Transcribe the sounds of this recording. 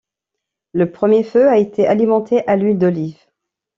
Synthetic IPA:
ləpχəmjeføaet̪ʰeʔalimɑ̃t̪ʰeʔalɥild̪ɔliv

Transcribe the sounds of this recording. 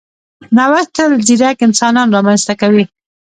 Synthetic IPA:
nawaxt̪aləziɾakɪnsɑnɑnɾɑmanz̥t̪akawi

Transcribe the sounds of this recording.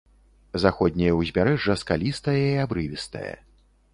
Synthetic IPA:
zaxɔd̪̚ʲnʲɐjɛwzʲmʲaɾɛʐːɐskalʲist̪ɐjɐiabɾɨvʲist̪ɐ̰jɛ̰

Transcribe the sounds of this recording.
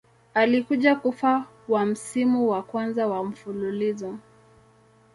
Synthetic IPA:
alikuʄakufa | wam̩simuwakwanzawam̩fululizɔ

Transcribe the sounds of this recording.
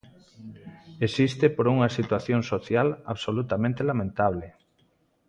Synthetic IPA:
esist̪epoɾuŋasit̪waθjoŋsoθjalaβsolut̪amẽnt̪elamẽnt̪aβ̞le

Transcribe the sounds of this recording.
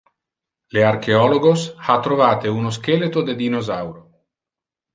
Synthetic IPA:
learkʰeɔloɡoshat̪ːɾovaːt̪eunos̬kelet̪od̪ed̪inozawɾo

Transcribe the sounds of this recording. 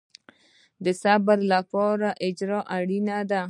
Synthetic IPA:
d̪əsabaɾlapɔɾaʔɪd͡ʒɾɑʔaɽinad̪a

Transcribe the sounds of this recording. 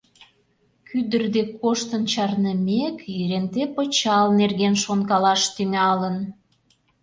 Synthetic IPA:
kyd̪ərd̪ekoʃt̪ənt͡ɕɑrnəmekiɾent̪epə̆t͡ɕɑlnerɣenʃonkɑlɑʃt̪yŋɑlən

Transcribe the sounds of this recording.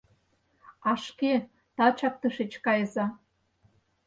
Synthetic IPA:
ɑʃke | t̪ɑt͡ɕɑk̚t̪ɤ̆ʃet͡ɕkɑjə̆zɑ

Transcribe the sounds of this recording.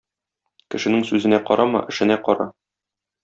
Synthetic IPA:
kɘ̆ʃɘ̆nɘŋsʉzɘ̆næqɒ̰ɾɑmɤ̰ʔɘ̆ʃɘ̆næqɒɾɑ

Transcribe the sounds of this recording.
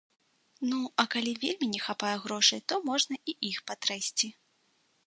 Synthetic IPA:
nuɐkalʲivʲelʲmʲinʲɛxapajɛɣɾɔʂɐjt̪ɔmɔʐnɐʔiixpɐt̪ɾajsʲt͡sʲi

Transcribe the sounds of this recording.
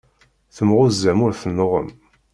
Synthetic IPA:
θəmʁʊzːæmʊɾθənːəʁə̰m

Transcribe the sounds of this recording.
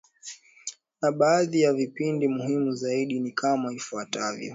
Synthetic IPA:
naɓaːðijavipindimuhimuzaiɗinikamaifuatavjɔ̰

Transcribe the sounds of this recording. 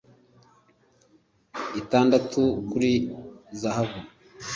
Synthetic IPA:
itaːndatʰukuɾizahaβu

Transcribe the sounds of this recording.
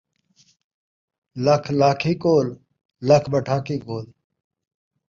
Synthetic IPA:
lɐkʰlaːkʰiːkoːl | ləkʰbəʈʰaːkiːkoːl

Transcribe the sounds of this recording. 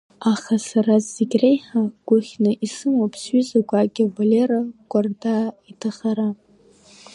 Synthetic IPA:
aχasarazːɪɡʲrejħaɡ̥ʷʊχʲnɨʔisɨmapʰsɥʏzaɡʷaɡʲɪvaleɾaɡʷʼardaitʰaχaɾa

